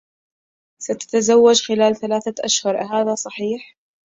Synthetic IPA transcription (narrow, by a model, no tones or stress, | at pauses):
sat̪ḁt̪azawːad͡ʒxɪlaːlθalaːθaʔaʃhʊɾˤɦaːðasˤɑħiːħ